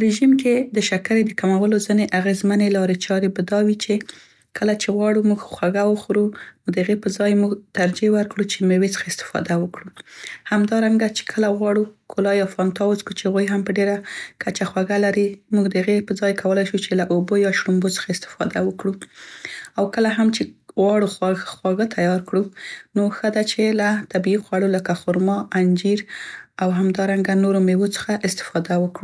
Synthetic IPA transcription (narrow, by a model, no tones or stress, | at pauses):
pəɾeʒimked̪əʃakaɾed̪əkamawəlozəneʔaɣezmanelɑɾet͡ʃɑɾebad̪ɑwit͡ʃe | kʰəlat͡ʃeɣwɑɽumuɡxwaɡawəxɾumuɡd̪əaɣepəzɑjmuɡt̪aɾd͡ʒewəɾkɽut͡ʃemewet͡sə̥xaɪst̪ɪ̥fɑ̰d̪awəkɽuhamd̪ɑɾaŋɡat͡ʃe̥kʰəlaɣwɑɽukʰolɑjɑfɑnt̪ɑwəzkut͡ʃeaɣwujɦampəɖeɾakat͡ʃaxwaɡalaɾimuɡd̪əaɣepəd͡zɑjkʰawəlajʃut͡ʃelaʔobojɑʃɽumbot͡sə̥xaɪst̪ɪ̥fɑd̪awəkɽu | awkəlaɦamt͡ʃeɣwɑɽuxwaxwaɣət̪ʰajɑɾkɽunoxəd̪at͡ʃelat̪abiiɣwaɽuləkaxʊɾmɑʔand͡ʒiɾawɦamd̪ɑɾaŋɡanoɾomewot͡sə̥xaʔɪst̪ɪ̥fɑd̪awəkɽu